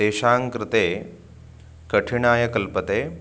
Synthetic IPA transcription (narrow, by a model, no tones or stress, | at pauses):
eːʃaːŋkɾɪt̪eː | kɐʈʰiɳaːjɐkɐlpət̪eː